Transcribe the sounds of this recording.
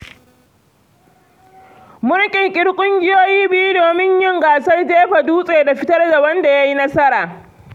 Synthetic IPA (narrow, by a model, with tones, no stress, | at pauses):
mʊ˦ɽkʲʼɪ˨ŋkʲʼɪ˦ɽkʷʼʊ˦ŋɡʲɪ˦joː˦jiː˦bɪ˦ju˦doː˨mɪ˦ɲjɪ˦ŋɡaː˨sɐ˦rdeː˦ɸa˨duː˦sʼeː˨da˨ɸɪ˦tɐ˦rda˨wɐ˦nda˨ja˦ji˦nɐ˦sɐ˦ɾaː˨